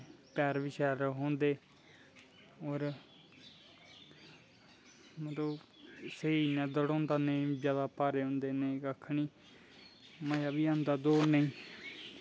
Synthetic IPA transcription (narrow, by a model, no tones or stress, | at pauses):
pɛːɾʋɪʃɛːɾɦõːnd̪eː | oːɾ | mət̪lə | səiːnãːd̪əɽõːnd̪aːnezjaːd̪aːpaːɾeːɦõːnd̪eːneːkakʰːniː | məjaːbiːãːnd̪aːd̪oːnəĩː